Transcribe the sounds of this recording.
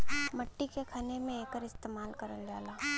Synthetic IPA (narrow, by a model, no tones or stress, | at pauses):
mɐʈːikekʰaːnemẽeːkəɾɪst̪eːmaːlkɐɾəld͡ʒaːlaː